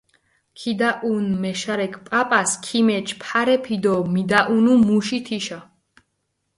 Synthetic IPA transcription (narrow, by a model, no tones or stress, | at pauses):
kʰid̪aʔunmɛʃaɾɛkʰʼpʼapʼaskʰimɛt͡ʃʰpʰaɾɛpʰid̪ɔmid̪aʔunumuʃit̪ʰiʃa